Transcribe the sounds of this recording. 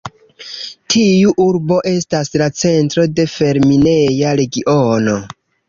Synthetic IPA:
tʰiuʔuɾbo̞ʔe̞staslat͡se̞ntɾo̞de̞fe̞ɾmine̞jaɾe̞ɡiʔono̞

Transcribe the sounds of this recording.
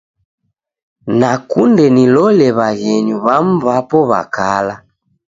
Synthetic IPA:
nakundɛnilɔlɛβaɣɛɲuβam̩βapɔβa̰kala

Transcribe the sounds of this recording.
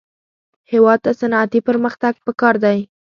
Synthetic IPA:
hewɑd̪̚t̪asanɑat̪ipəɾməxt̪aɡ̚pəkɑɾd̪aj

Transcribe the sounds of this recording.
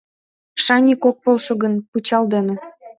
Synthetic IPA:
ʃɑnʲikok̚polʃoɣənput͡ɕɑld̪enĕ

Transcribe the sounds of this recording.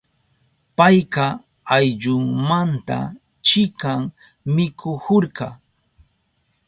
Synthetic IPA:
pajqɑ | ajʎʊŋmant̪a̰ | t͡ʃɪkaŋ | mɪkʰʊhoɾɢɑ

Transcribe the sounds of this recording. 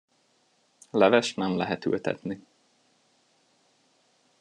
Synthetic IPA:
lɛvɛʃnɛmlɛɦɛt̪y̰lt̪ɛ̰t̪ni

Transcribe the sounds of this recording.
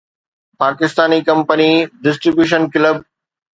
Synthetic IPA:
paːkɪst̪aːnikɐ̃mpəniɖɪsʈɾibjuːʃ̬ənkɪləb̚

